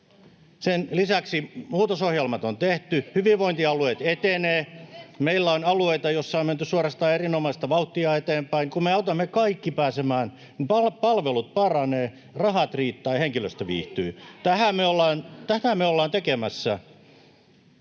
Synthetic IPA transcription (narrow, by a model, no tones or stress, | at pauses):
senlisæksimuːt̪osohjelmɑt̪ont̪eht̪yhyʋiʋʋoint̪iɑlueit̪et̪eneːmeilːæonɑlueit̪ɑjosːɑomment̪ysuorɑst̪ɑːerinomɑist̪ɑʋɑut̪ːiɑet̪eːmpæinkummeɑut̪ɑmːekɑikːipæːsemæːn | nipɑlpɑlʋelut̪̚pɑrɑneː | rɑhɑt̪riːt̪ːɑiheŋkiløst̪æʋḭːht̪yːt̪æhæmeolːɑːnt̪æh̪æmeolːɑːnt̪ekemæsːæ